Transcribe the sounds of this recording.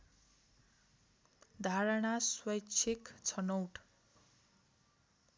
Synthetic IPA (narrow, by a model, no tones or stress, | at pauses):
d̪ʱaɾʌɽ̃aswʌjt͡sʰekt͡sʰʌnowʈ